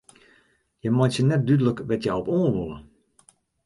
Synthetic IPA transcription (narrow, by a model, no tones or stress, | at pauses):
jɛmɔjtsjənɛt̚dydələkʋɛtjaɔpoːnʋolˠə̰